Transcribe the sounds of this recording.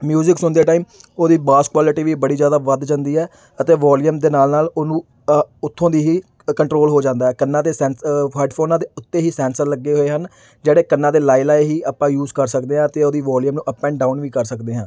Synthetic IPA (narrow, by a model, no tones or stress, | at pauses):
mjuːzɪksʊnd̪eːʈaːiːmoːd̪iːbaːskwaːlɪʈiːʋiːbəɽiːzjaːd̪aːʋəd̪d͡ʒə̃nd̪iːɛː | ət̪eːʋaːlijəmd̪eːnaːlnaːloːnũː | ʊt̪ʰːõːd̪iːɦiː | kəɳʈɾoːlɦoːd͡ʒãːnd̪aːɛːkənːãːd̪eːsɛ̃ːnpʰaːɪɖpʰoːnãːd̪eːʊt̪ːeːɦiːsɛ̃ːnsəɾləɡːeːɦoːeːɦən | d͡ʒeːɽeːkənːãːd̪eːlaːilaːeɦiːaːpːãːjuːzkəɾsəkd̪eːɦãːt̪eːoːd̪iːʋaːljəmnũːʔəpːɛ̃ːɳɖaːʊnʋiːkəɾsəkd̪eːɦãː